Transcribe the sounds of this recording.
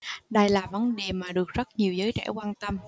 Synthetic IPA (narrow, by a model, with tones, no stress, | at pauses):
ɗə˧jlaː˨˩və˨˦nɗe˨˩maː˨˩ɗɨ˨˩ək̚z̥t̚ɲi˨˩əwzəː˨˦jt͡ɕɛ̰˧˩kwaː˧nt̪ə˧m